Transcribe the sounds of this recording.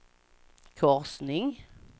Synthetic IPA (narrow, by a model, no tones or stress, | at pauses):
kʰɔʁsnɪŋ